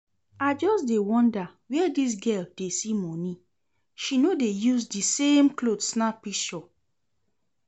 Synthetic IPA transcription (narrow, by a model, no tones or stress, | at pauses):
ad͡ʒɔsdewɔ̃ndawɛdis̬ɡɛldesimɔ̃nĩ | ʃinodejuzdisemklodsnapiʃɔ